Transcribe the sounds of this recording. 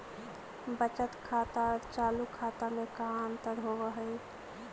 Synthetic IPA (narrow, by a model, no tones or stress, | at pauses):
bət͡ʃət̪kʰat̪aɾt͡ʃaːlukʰːaːt̪amekaənt̪əɾɦoʋəɦəj